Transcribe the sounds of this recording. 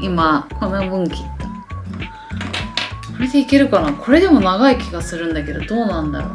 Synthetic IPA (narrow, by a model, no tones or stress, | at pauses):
imakonobɯ̟̃ŋkʲi̥t̪ːo | aɾe̞d̪e̞ike̞ɾɯ̟kanaːkʰo̞ɾe̞d̪e̞mo̞naɡaikʲiɡasɨɾɯ̟̃nd̪ake̞d̪o̞d̪o̞ːnãnd̪a̰ɾo̰